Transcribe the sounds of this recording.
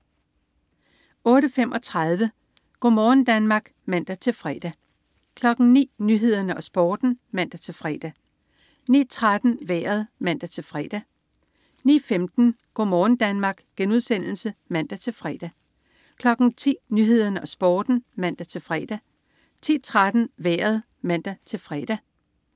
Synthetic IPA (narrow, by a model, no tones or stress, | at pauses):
ɔ̽ːɾəfem̰ʔɒ̽t͡sʰʁað̞ˠʋə | ɡ̥ɔ̰ːmɒːn̩d̥ænmɑ̈ːɡ̥mæn̰d̥æt͡sʰe̝lfʁɛ̰d̥æ | kʰlɒ̽ɡ̥n̩nḭːnyɦe̝ð̞̰ˠɐnəɒ̽sb̥ɒ̰ːd̥n̩mæn̰d̥æt͡sʰe̝lfʁɛ̰ːd̥æ | nḭːt͡sʰʁad̥n̩ʋḛːɐð̩ˠmæn̰d̥æt͡sʰe̝lfʁɛ̰ːd̥æ | nḭːfemd̥n̩ɡ̥o̝mɒːn̩d̥ænmɑ̈ːɡ̥ɡ̥enuðˠsen̰l̩səmæn̰d̥æt͡sʰe̝lfʁɛːd̥æ | kʰlɒ̽ɡ̥n̩t͡sʰḭːnyɦe̝ð̞̰ˠɐnəʔɒ̽sb̥ɔːd̥n̩mæn̰d̥æt͡sʰe̝lfʁɛ̰ːd̥æ | t͡sʰḭːt͡sʰʁad̥n̩ʋeːɐð̞ˠ | mæn̰d̥æt͡sʰe̝lfʁɛ̰d̥æ